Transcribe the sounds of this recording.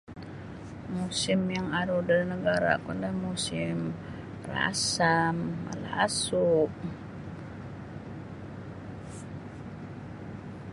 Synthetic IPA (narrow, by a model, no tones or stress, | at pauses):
musɪmjaŋaɾudənəɡaɾa̰kundamusɪm | ra̰samə̰la̰suʔ